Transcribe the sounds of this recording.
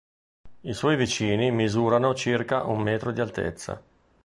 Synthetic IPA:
iswɔjvit͡ʃiːnimizuːɾanot͡ʃirkaʔummɛːt̪ɾod̪ialt̪ḛt̪sːa̰

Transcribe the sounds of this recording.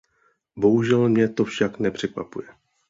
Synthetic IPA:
bo̞ɦuʒɛlmɲɛt̪o̞fʃaknɛpr̝̥ɛkva̰pṵjɛ

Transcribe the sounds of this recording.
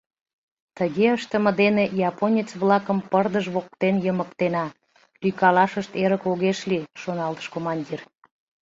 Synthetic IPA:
t̪əɣeəʃt̪əmə̆d̪enejɑponʲit͡sβlɑkəmpərd̪əʒβok̚t̪enjəməkt̪enɑ | lykɑlɑʃəʃt̪eɾəkoɣeʃliʃonɑlt̪ə̥ʃkomɑnʲdʲir

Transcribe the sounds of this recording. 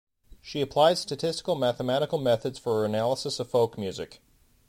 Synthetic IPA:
ʃiɨpʰl̥aɪd̥stɨtʰɪstə̥kl̩ˠmæθəmæɾɨkl̩ˠmɛθɨdz̥fə˞ə˞ɨnælˠəsəsʌv̥foʊkmjʉzɨ̰k

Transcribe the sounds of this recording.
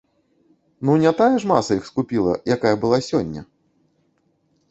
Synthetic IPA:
nunʲat̪ajɐʂmasɐixskupʲilˠɐ̰jakajɐbɨlˠasʲɔnʲːɐ̰

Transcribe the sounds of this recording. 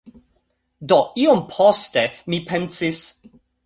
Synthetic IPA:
d̪ɔʔiɔmpʰɔstɛmipʰɛ̃nsɪs

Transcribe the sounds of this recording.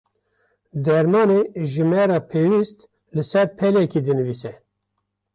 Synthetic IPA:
d̪ɛɾmɑːneʒɨmɛɾɑːpʰeːwist̪ | lɨsɛɾpʰɛlɛkid̪ɨnɨviːsɛ

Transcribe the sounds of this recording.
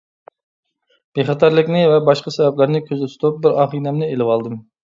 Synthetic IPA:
b̥eχɑt̪ʰɑɾlˠɪkʲnɪvɛbɑʃqɑsɛvɛplɪɾnɪkʲʰøzyt̪ʰy̥t̪up̚bɪɾɑχinɛmnɪelɪwɑlˠd̪ɨm

